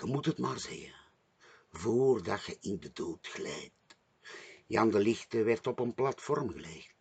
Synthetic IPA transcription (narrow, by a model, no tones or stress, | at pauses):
xəmutɦətmaːrzɛ̰ɣə̰n | voːrdɑtxəʔɪndədoːtɣlɛjt | jɑndəlɪxtəʋɛrtɔpənplɑtfɔrmɣəlext